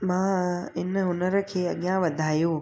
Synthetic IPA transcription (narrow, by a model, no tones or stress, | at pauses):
mãɪnʊnəɾkʰeːəɠjãʋəd̪ʱaːjõː